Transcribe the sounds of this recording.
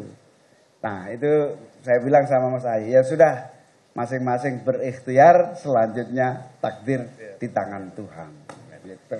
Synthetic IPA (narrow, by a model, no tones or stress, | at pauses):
nʔahit̪u | sajabilaŋsamamasajajasudah | masɪŋmasɪŋbərɪxt̪iarsəlaɲd͡ʒʊt̪̚ɲat̪ak̚dɪrd̪̥it̪aŋant̪uɦa̰n